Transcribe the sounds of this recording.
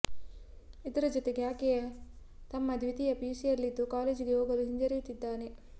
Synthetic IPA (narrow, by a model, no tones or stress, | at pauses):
id̪ɐɾɐd͡ʒɔt̪eɡjaːkejɐ | t̪ɐmːɐd̪ʱʋid̪ijɐpiːsijɐɾlid̪ːukaːleːd͡ʒɡeɦoːɡɐluɦiɲd͡ʒɐɾijut̪ːid̪ːaːne